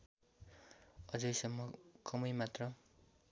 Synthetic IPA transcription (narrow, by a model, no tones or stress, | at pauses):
ʌd͡zʌjsʌmːʌkʌmʌjmat̪rʌ